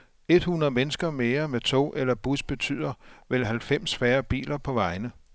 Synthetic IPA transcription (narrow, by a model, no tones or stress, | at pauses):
e̝d̥hunɐðˠmenəsɡ̥ɐme̝ːɐmet͡sʰo̝̰ːʔelɐb̥usb̥e̝t͡sʰy̰ð̰ˠɐʋelɦælfem̰sfæːɐb̥ḭːlɐpʰɒ̽ʋɑ̈ɪnə